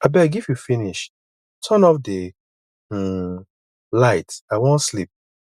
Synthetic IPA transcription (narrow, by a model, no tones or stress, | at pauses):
abɛɡivjufiniʃ | tʰɔ̃nɔfde | laɪtaɪwõnslip̚